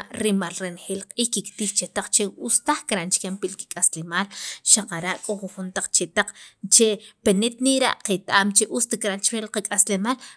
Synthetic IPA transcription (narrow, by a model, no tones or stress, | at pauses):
ʔɾimalɾenxeːlqʼiːhkikt̪iːxt͡ʃet̪aq͡χt͡ʃeust̪aχkɾaʔnt͡ʃkempilki̥kʼaslemaːlʃaqaɾaʔkʼoxuxunt̪aq͡χt͡ʃet̪aq͡χt͡ʃepenet̪niɾa̰ʔqet̪ʔaːmt͡ʃeʔust̪ikɾant͡ʃɾelqakʼaslemaːl